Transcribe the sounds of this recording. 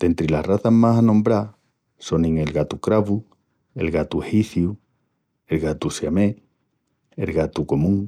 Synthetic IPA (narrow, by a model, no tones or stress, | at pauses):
d̪̥e̞nt̪ɾilahraθaɦmasanõmbɾa | sonĩŋe̞lɣat̪ukɾaβu | ḛlɣat̪uhiθju | e̞lɣat̪usjame | elɣat̪uko̞mũŋ